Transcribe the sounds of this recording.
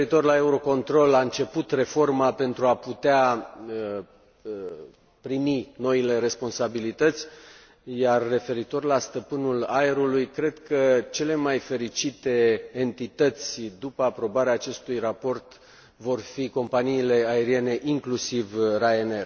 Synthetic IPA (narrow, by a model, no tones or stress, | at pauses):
eɾit̪o̞rlae̞uɾo̞ko̞nt̪ɾo̞laɨnt͡ʃe̞put̪re̞fo̞rmape̞nt̪ɾuaput̪ea | pɾimino̞ile̞ɾe̞spo̞nsabilit̪ət̪sʲ | jarːe̞fe̞ɾit̪o̞rlast̪əpɨnulae̞ɾulujkɾe̞d̪kət͡ʃe̞le̞majfe̞ɾit͡ʃit̪e̞ːnt̪it̪ət̪sʲd̪upəapɾo̞baɾeaːt͡ʃe̞st̪ujrapo̞rt̪ | vo̞rfiko̞mpaniːle̞ae̞ɾie̞ne̞ʔiŋklusivraene̞r